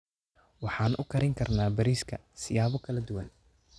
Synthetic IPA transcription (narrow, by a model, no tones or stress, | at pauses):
wɑħɑːnʔʊkʰɐɾɪŋkʰɐrnaːbɐɾiːskʰɐ̰ | sɪjaːβɔkʰɐlɐd̪ʊwɐn